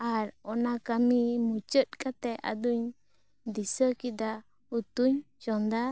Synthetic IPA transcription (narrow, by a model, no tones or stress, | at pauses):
aɾɔnakamimut͡ʃət̪̚kat̪ɛʔa̰d̪uɲ | d̪isəkid̪a | ut̪uɲ | t͡ʃɔnd̪a